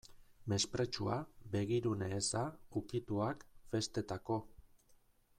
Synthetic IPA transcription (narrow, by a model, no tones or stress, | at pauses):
me̞spɾe̞t͡ʃuabe̞ɣ̞iɾuneːsaukit̪uakfe̞st̪e̞t̪ako̞